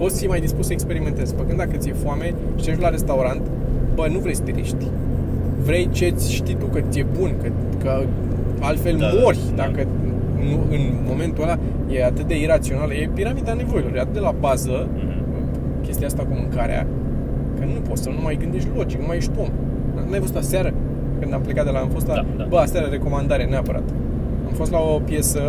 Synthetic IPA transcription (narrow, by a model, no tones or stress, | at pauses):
pot̪sʲjemajd̪isput̪səekspe̞ɾime̞nt̪e̞zfəkɨnd̪d̪akət̪sijefuame̞ | ʃt̪eʃ̬laɾe̞st̪auɾant̪ | bənuvɾesə̥t̪iɾḭʃt̪ʲ | vɾe̞jt͡ʃe̞t̪sʲʃt̪it̪ukət̪sʲije̞bunkə | kə | alt̪fe̞lmo̞rʲd̪akə | nuɨn | mo̞me̞nt̪uəla | je̞at̪ɨt̪̚d̪e̞iɾat̪sio̞naljepiɾamid̪ane̞vo̞jiloɾjeat̪ɨt̪d̪elabazə | kʲe̞st̪iaast̪akumɨŋkaɾḛa̰ | kənupo̞t̪sənumajɡɨnd̪e̞ʃ̬t̪ʲlo̞d͡ʒiknumajeʃʲt̪uom | numajfo̞st̪asaɾə | kɨnd̪amplekat̪d̪elaamfo̞s̬t̪la | bəasaɾəɾe̞ko̞mand̪aɾeneapəɾa̰t̪ | amfo̞st̪laopje̞sə